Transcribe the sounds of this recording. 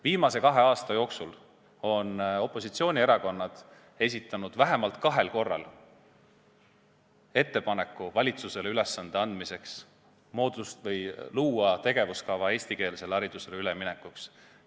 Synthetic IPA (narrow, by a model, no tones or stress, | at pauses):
viːmɑse̞kɑɦe̞ɑːst̪ɑjo̞ːksul | o̞no̞pːˑo̞sit̪sio̞ːnʲieɾɑko̞nːɑd̪̥ | e̞s̬ʲit̪ːˑɑnud̪̥væɦe̞mɑlt̪kɑɦe̞lko̞rːɑ̰l | e̞t̪ːe̞pɑne̞kːˑuvɑlʲit̪suse̞leyle̞sːɑnd̪̥eɑnd̪mise̞ks | mo̞ːd̪̥ust̪vɤjluːɑt̪e̞ɡ̥e̞vuskɑvɑe̞ːsʲt̪ike̞ːlse̞lɑɾid̪̥use̞leylemine̞kːˑuks